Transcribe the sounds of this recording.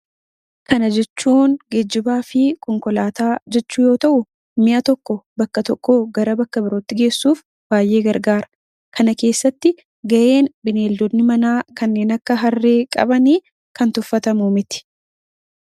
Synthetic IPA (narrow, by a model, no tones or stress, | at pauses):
kɐnɐd͡ʒɛt͡ʃːuːnɡɛd͡ʒːɪbaːfɪkʰɔŋkɔlaːt̪aːd͡ʒɛt͡ʃːuːjo̞ːt̪ɐʔʊ | mɪʔɐt̪ɔkːɔbɐkːɐt̪ɔkːo̞ːɡɐɾɐbɐkːɐbɪɾoːt̪ːɪɡe̞ːsːuːf | b̥aːjʔe̞ːɡɐɾɡaːɾɐ | kʰɐnɐke̞ːsːɐt̪ːɪ | ɡɐʔe̞ːnbɪneːld̪ɔd̪nɪmɐnaːkɐnːe̞ːnɐkːɐɦɐrːe̞ːkʼɐ̰bɐniː | kɐnt̪ʊfːɐt̪ɐmumɪt̪ɪ̥